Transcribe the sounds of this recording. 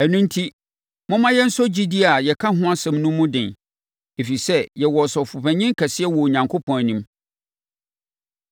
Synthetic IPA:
æ˨nũ˦n˦tʰi˦ | mʊ̃˦mã˦jɛ˦n̩˦sɔ˦d͡ʑi˦di˦a˨jɛ˨kʰa˦ɦʊ̃˦a˦sɛ̃˨mnʊ̃˦mʊ̃˦dɪ̃˨n | e˨fi˨sɛ˦jɛ˨wɔ˨sɔ˨fʊ˨pʰæ̃˨ɲɪ̃˦ŋ˦kʰæ˨sɪ˦ɛ˦wɔ˨ɲã˨ŋkʰo˦pʰɔ̃˨næ˨nĩ˨˦m

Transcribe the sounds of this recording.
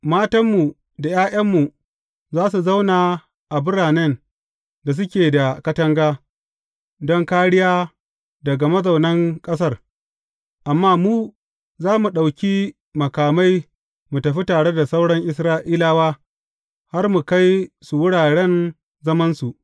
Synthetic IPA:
maː˦tɐ˦mːu˨ | da˨jaː˦ʔɐ˦mːu˨ | zaː˦s̬u˨za˦wna˨ | ʔa˨bʊ˦ɽaː˨nɛ˦n | da˨s̬ʊ˦kʲeː˨da˨kɐ˦tɐ˦ŋɡaː˦ | dɔ˦ŋkaː˦ɽɪ˦jaː˦ | dɐ˨ɡa˨mɐ˦za˨wnɐ˦ŋkʼɐ˦s̬ɐ˦r | ʔa˨mːaː˦muː˦ | zaː˦mu˨ɗa˨wkʲiː˦ | mɐ˨kaː˨ma˦j | mu˨tɐ˨ɸi˦taː˨ɽe˦da˨sa˦wɽɐ˦ŋʔɪ˦s̬ɾaː˦ʔiː˦laː˦waː˦ | ha˦rmu˨ka˦jsu˨wʊ˦ɽaː˨ɽɛ˦n | zɐ˦mɐ˦nsu˨ʔ

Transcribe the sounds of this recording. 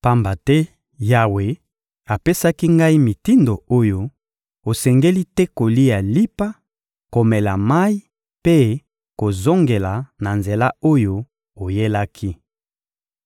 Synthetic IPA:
pa˦mba˨tɛ˦ | ja˨we˨ | a˨pe˦sa˦ki˦ŋɡa˦i˦mi˨ti˦ndo˨o˦jo˦ | o˨sɛ˨ŋɡe˦li˦tɛ˦ko˨li˦ja˨li˦pa˦ | ko˨mɛ˨la˨ma˦i˦ | pe˦ | ko˨zo˦ŋɡe˨la˨na˨nze˨la˦o˦jo˦ | o˨je˦la˦kʰi˦

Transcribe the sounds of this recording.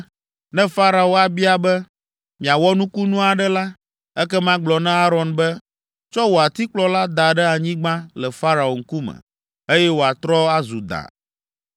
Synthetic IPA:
nɛ̃˦fa˦ɾa˨o˦a˨bi˦a˦bɛ˦ | mĩ˨a˨wɔ˦nũ˦ku˦nũ˦a˨ɖɛ˦la˦ | ɛ˦kɛ˦mã˦ɡ͡blɔ˨nɛ̃˦a˦ɾɔ˨nbɛ˦ | t͡ʃɔ˦wo˨a˨t̪i˦k͡plɔ˦la˦d̪a˨ɖɛ˦a˨ɲĩ˦ɡ͡bã˦lɛ˨fa˦ɾa˨o˨ŋ̩˦ku˦mɛ̰̃˨ | e˦jɛ˦wo˨a˨t̪ɾɔ˦a˦zu˨d̪a̰˨

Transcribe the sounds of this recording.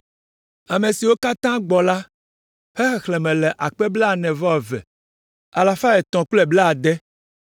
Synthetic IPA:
a˨mẽ˨si˨wo˦ka˦t̪ã˦ɡ͡bɔ˨la˦ | hɛ˦xɛ˨xlɛ˨mɛ̃˨lɛ˨ʔa˨k͡pɛ˦ble˦a˨nɛ̃˨vɔ˦˨vɛ̰˨ | a˨la˨fa˦ɛ˨t̪ɔ̃˨klɛ˦blɛ˦a˨d̪ɛ˦

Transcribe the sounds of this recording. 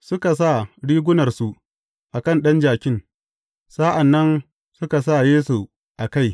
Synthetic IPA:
sʊ˦ka˨s̬a˦˨ɽiː˦ɡʷʊ˦nɐ˨rsu˦ | ʔa˨kɐ˦˨nɗɐ˦nd͡ʒaː˨kʲɪ˦n | sa˦ʔa˨nːɐ˦n | sʊ˦ka˨s̬a˦˨jeː˦so˨ | ʔa˨ka˦˨j

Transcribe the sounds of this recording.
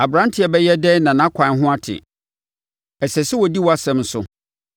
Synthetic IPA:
a˨bɾã˦ntʰɪ˨˦ɛ˨bɛ˦jɛ˦dɛ˦nã˨nã˨˦kʷʰã˨n˦ɦʊ̃˦a˦tʰɪ̰˨ | ɛ˨sɛ˨sɪ˦wɔ˨di˦wɔ˨˦a˦sɛ̃˨mn̩˦sʊ̰˦

